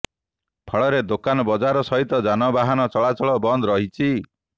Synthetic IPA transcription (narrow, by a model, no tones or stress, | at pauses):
pʰɔɭɔɾed̪okanɔbɔd͡ʒaɾɔsɔɦit̪ɔd͡ʒanɔbaɦanɔt͡ʃɔɭat͡ʃʰɔɭɔbɔnd̪ɔɾɔɦit͡ʃʰi